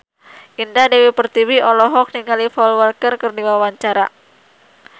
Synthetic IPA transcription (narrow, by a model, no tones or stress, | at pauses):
ʔindadewipərt̪iwiɔlɔɦɔk̚niŋalifɔlwərkərkərdiwawaɲt͡ʃaɾa̰